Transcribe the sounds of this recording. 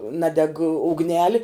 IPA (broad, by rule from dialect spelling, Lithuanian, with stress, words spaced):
ˈnɑːdʲɛk ʊɡˈnʲæːlʲɪ